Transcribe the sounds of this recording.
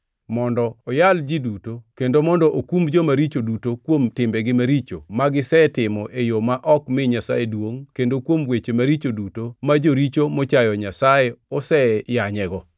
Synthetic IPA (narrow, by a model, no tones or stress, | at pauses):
mɔndɔːjald͡ʒidutokendomɔndɔʔokumd͡ʒomaɾit͡ʃodutokwomtɪmbɛɡɪmaɾit͡ʃomaɡɪsɛtɪmɔʔejomaʔɔkmɪɲasa̰jedwoŋkendokwomwet͡ʃemaɾit͡ʃodutomad͡ʒoɾit͡ʃomɔt͡ʃajɔɲasajeɔsɛjaɲɛɡɔ